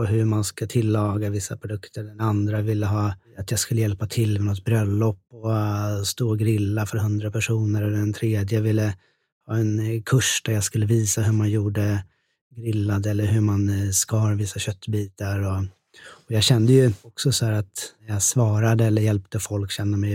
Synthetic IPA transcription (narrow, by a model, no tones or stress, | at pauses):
ɔɦɵmanskat̪ʰɪlːɑːɡavɪsːapʰɾʊd̪ɵkt̪ʰəɖɛnand̪ɾavɪlːəɦɑːat̪jaɡskɵlːəjɛlpat̪ʰɪlːmɛnɔt̪bɾœlːɔpːɔst̪oːɡɾɪlːafœɾɦɵnd̪ɾapʰæʂuːnəɾɛlːəɖɛnt̪ʰɾeːd̪jəvɪlːə | hɑːɛnkʰɵʂd̪æɾjaskɵlːəviːsaɦɵmanjuːɖə | ɡɾɪlːad̪ɛlːəɾɦɵmanskahɑːɾvɪsːaɕœt̪ːbiːt̪aɾɔ | ɔjɑːɡɕɛnd̪əjɵɔksɔsɔhæːɾat̪jasvɑːɾad̪əɛlːəɾjɛlp̚t̪əfɔlkɕɛnːəmɛj